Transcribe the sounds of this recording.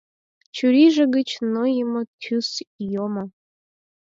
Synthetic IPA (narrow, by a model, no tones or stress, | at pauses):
t͡ɕyɾiʒəɡət͡ɕnojəmot̪ʲʰysjoma